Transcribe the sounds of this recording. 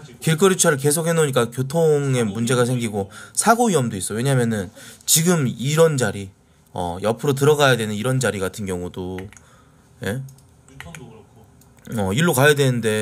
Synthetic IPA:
kiɭk͈ʌɾit͡ɕʰʌɾɯɭk̬e̞sʰokhenoɲik͈akjotʰoŋe̞mund͡ʑe̞ɣas̬ʰeŋɡiɡosʰaɡoɥiʌmdois͈ʌwe̞ɲaɦmjʌnɯnt͡ɕiɡɯmiɾʌnd͡ʑaɾi | ʌ̰jʌpʰɯɾot̬ɯɾʌɡajadwe̞nɯniɾʌnd͡ʑaɾiɡatʰɯnɡjʌŋudo | je̞ | ʌiɭːokajadwe̞nɯnde̞

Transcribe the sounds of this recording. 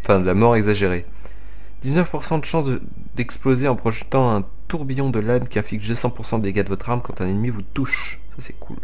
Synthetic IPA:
ɑ̃fɛ̃d̪əlamɔʁɛɡzaʒeʁe | d̪̥iznœfpuʁsɑ̃d̪əʃɑ̃sd̪ə | d̪ɛksplozeɑ̃pχɔʒət̪ɑ̃ɛ̃ | t̪uʁbijɔ̃d̪əlamkʲiɛ̃flikʒd̪əsɑ̃puʁsɑ̃d̪eɡʲad̪əvɔt̪χamkɑ̃t̪ɛ̃nɛnmivut̪uʃ | sasɛ̥kʰṵl

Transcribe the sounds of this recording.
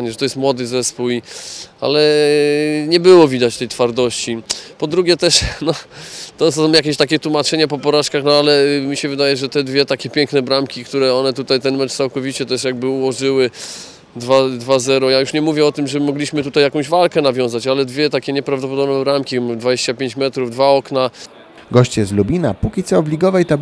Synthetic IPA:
ɲɛʐɛt̪ɔjɛst̪mwɔd̪ɘzɛspuwia̰lɛ | ɲɛbɘwɔvʲid̪at͡ɕt̪ɛjt̪faɾd̪ɔɕt͡ɕipɔd̪ɾuɡʲjɛt̪ɛʂnɔt̪ɔs̬ɔ̃mjakʲeɕt̪akʲɛt̪wumat͡ʂɛɲapɔpɔɾaʂkaxnɔalɛmʲiɕɛvɘd̪ajɛʐɛt̪ɛd̪vʲjɛt̪akʲɛpʲjɛŋknɛbɾamkʲikt̪uɾɛɔnɛt̪ut̪ajt̪ɛnmɛt͡ʂt̪sawkɔvʲit͡ɕɛt̪ɛʂjaɡ̚bɘuwɔʐɘwɘ | d̪vad̪vazɛɾɔjajuʂɲɛmuvʲjɛɔt̪ɘmʐɛmɔɡlʲiɕmɘt̪ut̪ajakɔ̃w̃ʑvalkɛnavʲjɔ̃w̃zat͡ɕalɛd̪vʲjɛt̪akʲɛɲɛpɾavd̪ɔp̬ɔd̪ɔbnɛbɾamkʲid̪vad͡ʑeɕt͡ɕapʲeɲt͡ɕmɛt̪ɾuvd̪vaɔkna | ɡɔɕt͡ɕjɛslubʲina̰pukʲit̪sɔːblʲiɡɔvɛjt̪a

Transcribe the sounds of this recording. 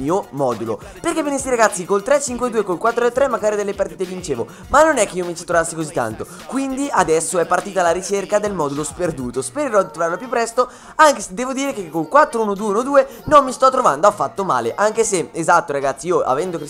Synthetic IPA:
iːomɔd̪ulo̰ | perkevenest̪iɾaɡat̪sːikolt̪ɾɛt͡ʃːiŋkwed̪uːekolkwat̪ːɾoɛt̪ːɾɛmːaɡaːɾid̪elːepaɾrt̪iːt̪evint͡ʃeːvo | manːonɛkːeiːomit͡ʃi̥t̪ɾovasːikozit̪ːa̰nt̪o | kwind̪iad̪ɛsːoɛpːart̪iːt̪alːaɾit͡ʃerkad̪elmɔd̪ulosperd̪uːt̪ospeɾeɾɔd̪it̪ɾovaɾlopjupːɾɛst̪o | aŋkesd̪ɛːvod̪iːɾekekːolkwat̪ːɾounod̪uːeunod̪uːe | nomːist̪ɔt̪ːɾovand̪oafːat̪ːoma̰ːleʔaŋkeseezat̪ːoɾaɡat̪sːiioʔa̰vɛnd̪okɾ

